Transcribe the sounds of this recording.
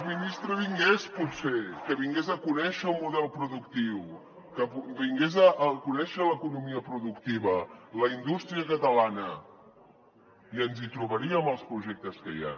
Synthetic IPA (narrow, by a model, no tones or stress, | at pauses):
minist̪ɾəβiŋɡesput̪sekəβiŋɡezəkunɛʃəːlˠmuðɛlˠpɾuðukt̪iw | kəpβiŋɡezəʔːkunɛʃələkunumiəpɾuðukt̪iβələind̪ust̪ɾiəkət̪əlanə | iənzit̪ɾuβəɾiəməlˠspɾuʒɛk̚t̪əskə̰ja̰